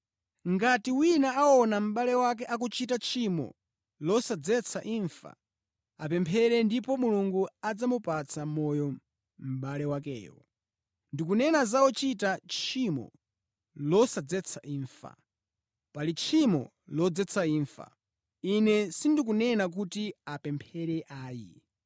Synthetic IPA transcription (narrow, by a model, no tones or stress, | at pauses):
ŋɡatiwinaaɔnam̩ɓalɛwak̬ɛʔak̬ut͡ʃitat͡ʃʰimɔ̰ | lɔsad͡zɛt͡sʰaʔiɱfa̰ | ap̬ɛmpʰɛɾɛndipɔmuluŋɡuad͡zamupat͡sʰamɔjɔ | m̩ɓalɛwakɛ̰ːjɔ̰ | ndik̬unɛnazaɔt͡ʃitat͡ʃʰimɔ̰ | lɔsad͡zɛt͡sʰaʔiːɱfa̰ | palit͡ʃʰimɔ̰ | lɔd͡zɛt͡sʰaiːɱfa̰ | inɛsindik̬unɛnak̬utiapɛmpʰɛɾɛʔaːjḭ